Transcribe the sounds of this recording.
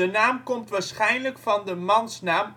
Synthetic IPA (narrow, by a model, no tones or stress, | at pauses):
ənaːmkɔmtʋaːɹsχɛjnləkfɑndəmɑnsnaːm